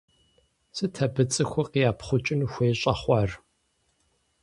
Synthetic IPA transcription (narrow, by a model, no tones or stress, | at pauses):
sɨtʰɐbɨt͡sʼɨxʷʊqijaːpχʷʊt͡ʃʼɪnxʷeːɕʼɐχʷɐr